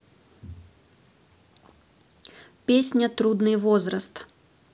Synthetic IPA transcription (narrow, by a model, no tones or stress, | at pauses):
pʲesʲnʲɐt̪ɾud̪nɨjvɔzɾɐst̪